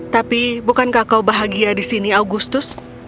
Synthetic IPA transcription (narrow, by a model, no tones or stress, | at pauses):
t̪apibukankakawbaɦaɡiadisiniawɡust̪ʊs